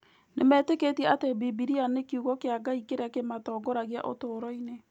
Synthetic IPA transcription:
nemɛːteketiɛatebibiɾianekiuɣɔkeaɡaikeɾakematɔːɡɔɾaɣia̰ʔo̰toːɾɔine

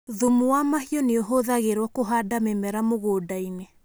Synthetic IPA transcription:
ðumuwamahiɔneoɦoðaɣeɾwakoɦaːdamemɛɾamoɣoːdaine

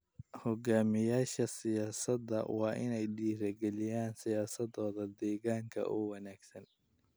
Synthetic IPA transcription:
hɔɡaːmɪjaːʃɐsɪjaːsɐd̪ːɐ̰wɑːʔɪnɛjɖiːɾɐɡɛlɪjaːnsɪjaːsɐd̪ɔːðɐd̪ɛːɣaːŋkʰɐ̰ʔuːwɑnaːɡ̥sɐn

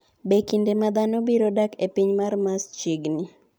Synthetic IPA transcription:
bekindemad̪anɔbiɾodakepiɲmarmast͡ʃiɡni

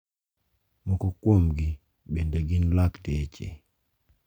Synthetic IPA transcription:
mɔkɔkwomɡi | bendeɡinlakdet͡ʃḛ

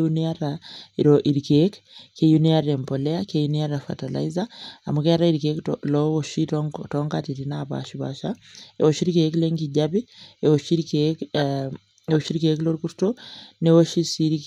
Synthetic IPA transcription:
uniaɾaiɾoʔiɾikekkejuniaɾempoleakejuniaɾafa̰tala̰izaa̰mukeaɾaiɾikeklɔoʃittɔŋɡatiɾinaβa̰ʃiβa̰ːʃaeoʃiɾikekleŋɡiɟaβieoʃiɾkek | eoʃiɾkekloɾkuɾtonewoʃisiɾik

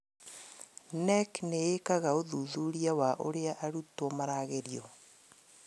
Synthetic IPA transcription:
nɛkneekaɣaoðuðuɾiawaʔoɾeaʔaɾutwɔmaɾaːɣeɾiɔ

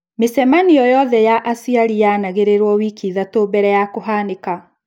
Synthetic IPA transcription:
mesɛmanijɔjɔðɛjaʔasiaɾijanaɣeɾeɾwɔwikiðatoːbɛɾɛjakoɦaneka

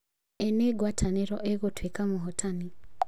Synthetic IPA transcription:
ɛneɡwatʰaneɾɔʔeɣotwekamoɦɔtʰani

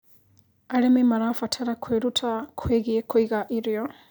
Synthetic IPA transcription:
alememaɾafatʰaɾakʰweɾutʰakʰweɣiekwiɣaʔiɾjo

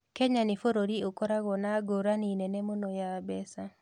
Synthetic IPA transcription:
kɛɲanɪfoɾoɾiokoɾaɣɔnaɡoɾaninɛnɛmonojabɛsa

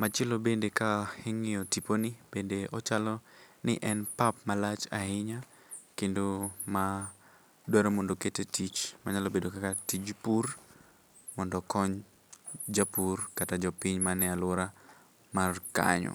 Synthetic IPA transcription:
mat͡ʃɪlobendekaheŋɪɔtiponib̥endeɔt͡ʃalɔnɪʔɛnpapmalat͡ʃahɪɲa | kendoma | dwɛɾomɔndoketetit͡ʃmaɲalobedokakatid͡ʒpur | mɔndɔkɔɲ | d͡ʒapurkatad͡ʒɔpiɲmanɛalʊɾa | marka̰ɲɔ̰

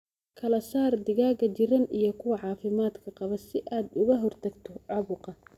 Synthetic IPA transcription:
kʰɐlɐsaːrd̪ɪɣaːɣɐt͡ʃɪɾɐnijɞkʰʊwɑʕɑːfɪmaːd̪kʰɐqɑβɐsɪʔaːd̪ʊɣɐɦɔrt̪ʰɐɡt̪ʰɔʕɑβʊqɑ

